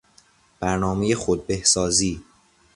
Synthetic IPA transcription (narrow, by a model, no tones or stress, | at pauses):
b̥æɾnɒːmejexod̪̚behsɒːziː